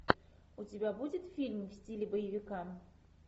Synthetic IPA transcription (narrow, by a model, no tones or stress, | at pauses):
ʊtʲɪbʲabudʲɪt̪fʲilʲmfsʲtʲilʲɪbəjɪvʲɪkam